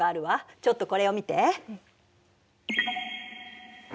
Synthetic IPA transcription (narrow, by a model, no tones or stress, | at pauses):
aːɾɯ̟βat͡ɕo̞t̪ːo̞ko̞ɾe̞o̞mʲit̪e̞